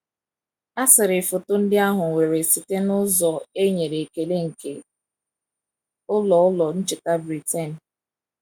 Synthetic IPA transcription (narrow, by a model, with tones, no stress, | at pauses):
a˦sɪ˨ɾɪ˨fʊ˨tʊ˦n̩˦dɪ˦a˦ɦʊ˨ŋʷe˨ɾe˨si˨te˦nʊ˦zɔ˨e˦ɲe˨ɾe˨ke˨le˦ŋ̩˨ke˨ | ʊ˦lɔ˨ʊ˦lɔ˨n̩˦t͡ʃɪ˨ta˦bɾi˨te˦˨n˨